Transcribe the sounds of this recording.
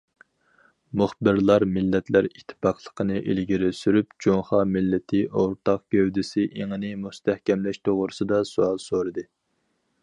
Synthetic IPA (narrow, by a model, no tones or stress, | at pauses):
muχbɪɾlˠɑɾmɪlːɛt̪ʰlæɾit̪ʰːɪ̥pɑqʰlˠə̥qʰənɨʔelɡʲiɾɪsyɾypd͡ʒoŋχɑːmɪlːɪt̪ʰɪʔoɾt̪ʰɑqɡ̥ʲøwd̪ɪsɪʔeŋɨnɪmust̪ʰɛhkʲɛmlɛʃt̪ʰoʁɾɨsɨd̪ɑsuɑlˠsoɾɨd̪ɨ